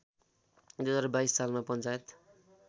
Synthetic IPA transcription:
d̪esʌɾʌbajsːalmapʌnt͡sajet̪

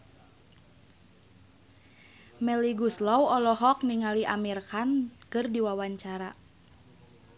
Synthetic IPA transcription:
mɛliɡuslɔwɔlɔɦɔk̚niŋaliʔamirkankɨrdiwawaɲt͡ʃaɾa

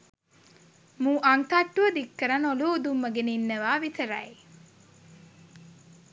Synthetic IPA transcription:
mũːʔɐŋt̪ɐʈːuʋɐd̪ikːəɾɐnoluːd̪umːɐɡeninːəʋaːʋit̪ʰɐɾɐ̰e

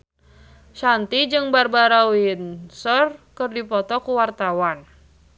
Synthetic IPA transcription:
ʃant̪id͡ʒɨŋbarbaɾawinsɔrkɨrdipɔt̪ɔkuwart̪awan

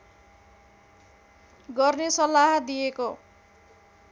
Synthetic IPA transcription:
ɡʌrnesʌlːaɦʌd̪ijeko

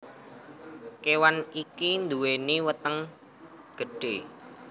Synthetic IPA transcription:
kewanikind̪uweniwət̪əŋ | ɡ̥ə̤ɖ̥e

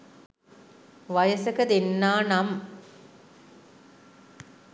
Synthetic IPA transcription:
ʋajəsəkəd̪enːaːnam

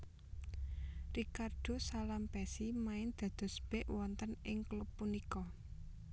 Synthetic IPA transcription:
rikard̪̥o̤salampɛsimaɪnd̪̥a̤d̪̥ɔ̤sb̥ɛʔwɔnt̪ənɪŋklupːunikɔ

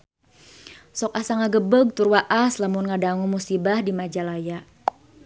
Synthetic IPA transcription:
sɔk̚asaŋaɡəbəɡ̚t̪uɾwaʔaslamʊnŋadaŋumusibahdimad͡ʒalaja

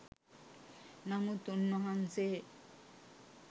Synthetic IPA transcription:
namut̪unːɔɦanse

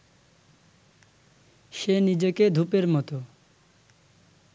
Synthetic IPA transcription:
ʃenid͡ʑoked̪ʱupeɾmɔt̪o

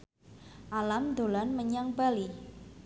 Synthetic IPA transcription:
ʔalamd̪o̤lanməɲaŋbali

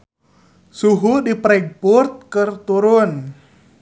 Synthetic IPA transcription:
suɦudipɾɛɡ̚purt̪̚kɨrt̪uɾʊn

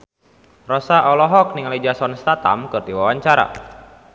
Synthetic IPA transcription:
rɔsaʔɔlɔɦɔk̚niŋalid͡ʒasɔnst̪at̪a̰mkɨrdiwawaɲt͡ʃaɾa̰

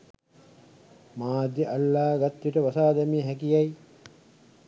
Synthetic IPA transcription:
maːd̪jiʔalːaːɡat̪ʋiʈəʋasaːd̪æmiəɦækijaj

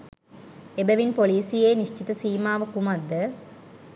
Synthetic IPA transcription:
ebɐʋinpoliːsijeːniʂt͡ʃit̪ɐsiːmaːʋɐkumɐd̪ːə

